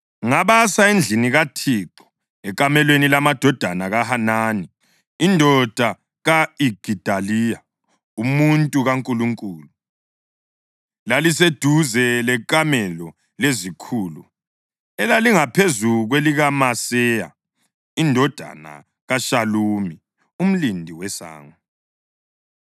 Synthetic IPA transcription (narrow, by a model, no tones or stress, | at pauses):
ŋaβasaend͡ɮʱiniɣatʰiːǁɔ̥ | ɛkʼamɛlwenilamad̥ʱɔd̥ʱanaɣahanaːni | indʱɔd̥ʱa | ɣaiɡ̥ʱid̥ʱalija | umuntʼuɣaŋkʼuluŋkʼuːlu | lalised̥ʱuzɛlɛkʼamɛlɔ | lezikʰuːlu | ɛlaliŋapʰezuɣweliɣamasɛːja̰ | indʱɔd̥ʱa̰na̰ | ɣaʃaluːmi | um̩lindʱiwɛsa̰ːŋa